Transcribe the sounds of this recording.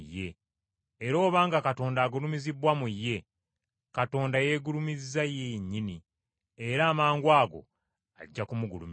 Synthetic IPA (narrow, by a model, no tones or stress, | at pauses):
jːe̞ː | ɾo̞ːβaːŋɡakato̞ːndaːɡulumizibwamujːe̞ | kato̞ːndaje̞ːɡulumizzajeɲːini | eɾaːmaːŋɡwaːɡo̞̰ | a̰ɟːakumuɡulṵm